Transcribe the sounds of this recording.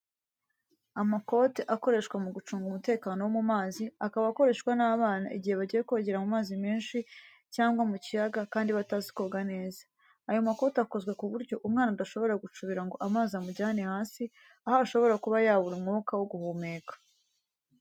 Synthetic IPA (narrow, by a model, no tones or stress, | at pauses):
amako̞ːteʔako̞ɾe̞ʃkwamuɡut͡ʃuːŋɡumute̞ːkaːno̞womumaːziakaβaːko̞ɾe̞ːʃkwanaːβaːna̰ʔiɟihe̞βaɟijekuβaɟeɾamumaːzimeːnʃi | caːŋɡwamucijaɡakaːndiβatazi̥ko̞ɡane̞ːzaː | jomako̞ːtako̞zɡwekuβuɾɟo̞ʔumŋaːnaudaʃo̞βo̞ɾaɡut͡ʃuβiɾaŋɡo̞ʔamaːziamuɟaːnehaːnsi | ahaːʃo̞βo̞ɾakuβajaːβuɾumŋoːkawoɡuhuːmeːkḁ